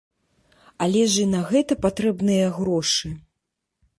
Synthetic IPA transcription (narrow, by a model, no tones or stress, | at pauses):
alʲɛʐɨnɐɣɛt̪ɐpat̪ɾɛbnɨjɐɣɾɔʂɨ